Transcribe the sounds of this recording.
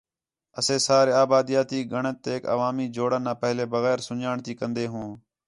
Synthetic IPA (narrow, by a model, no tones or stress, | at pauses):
əseːsaːɾeːaːbaːd̪ɪjaːt̪iːɡʱəɳət̪ːeːkə̰ʋaːmiːd͡ʒoːɽənːãːpəɦleːbəɣɛːɾsʊɲaːɳt̪iːkənd̪eːɦõː